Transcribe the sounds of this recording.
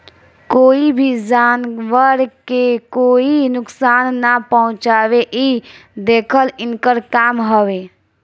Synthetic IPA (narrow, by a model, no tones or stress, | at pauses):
koːibʱid͡ʒaːnʋəɾkekoːinʊksaːnːapəɦʊ̃t͡ʃaːʋeʔid̪eːkʰəlɪnkəɾkaːmɦəwe